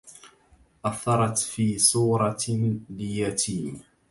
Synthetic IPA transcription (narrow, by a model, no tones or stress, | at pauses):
ʔaθːɑɾˤɑt̪fiːsˤuːɾˤɑlɪjat̪iː